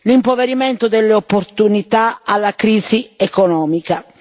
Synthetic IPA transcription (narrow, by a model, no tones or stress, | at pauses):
limpoveɾimɛnt̪ʊd̪ɛlːeopːoɾt̪unit̪aalːakɾiːziɛkɔnɔːmika